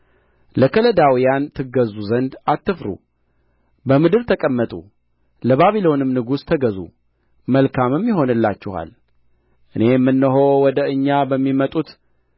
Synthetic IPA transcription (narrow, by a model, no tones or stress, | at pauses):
ləkʰələd̪awijant̪ʰɨɡəzuzənd̪at̪ːɨfɾṵ | bəmɨd̪ɨɾt̪ʰəkʼəmːət̪ʼṵ | ləβaβilo̞nɨmnɨɡust̪ʰəɡəzṵ | məlkʰamɨmjɪɦo̞nɨlːat͡ʃːɪha̰l | ʔɨne̞mːɨnːəɦo̞wɔd̪əɨɲːabəmːimət̪ʼut̪